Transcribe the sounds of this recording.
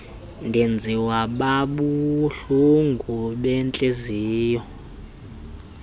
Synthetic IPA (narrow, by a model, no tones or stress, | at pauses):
ndʱend͡zʱiwaɓaɓuɬuŋɡʱuɓɛnt͡ɬʼeziːjɔ